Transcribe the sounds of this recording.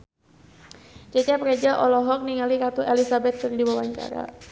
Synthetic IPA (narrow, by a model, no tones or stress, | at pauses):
t͡ʃɛt͡ʃapɾed͡ʒaʔɔlɔɦɔk̚niŋaliɾat̪uʔelisabɛt̪̚kɨrdiwawaɲt͡ʃa̰ɾa̰